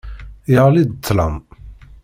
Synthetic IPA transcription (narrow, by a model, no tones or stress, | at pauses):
jəʁlid̪t̪ʰːlɑ̰m